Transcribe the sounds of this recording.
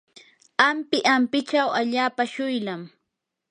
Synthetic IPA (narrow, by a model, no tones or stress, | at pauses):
ampɪʔampɪt͡ʃawaʎaːpaʃʊjlam